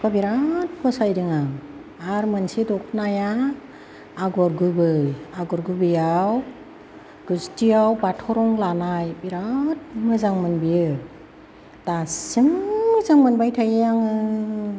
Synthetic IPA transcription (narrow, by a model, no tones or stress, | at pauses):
pʰabiɾat̚kʰɔsajdɯŋa | aɾmɯnsidɔk̚ʰnaja | aɡɔɾɡɯbɯjaɡɔɾɡɯbɯjaw | ɡ̥ɯztijawbatʰɔɾɔŋlanajbiɾat̚mɯzaŋmɯnbijɯ | d̥asimːɯzaŋmɯnbajtʰajɯaŋɯ